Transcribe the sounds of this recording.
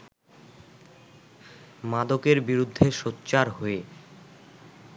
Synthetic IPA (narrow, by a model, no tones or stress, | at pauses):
mad̪okeɾbiɾud̪ʱːeʃotːɕaɾɦoe